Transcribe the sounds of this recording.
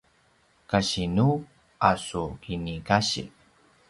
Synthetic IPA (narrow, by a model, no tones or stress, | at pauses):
kaɕinu | asukinikaɕḭ